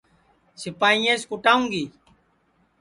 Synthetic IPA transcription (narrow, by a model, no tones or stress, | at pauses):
sɪpaːĩːẽːskʊʈaːũːŋɡiː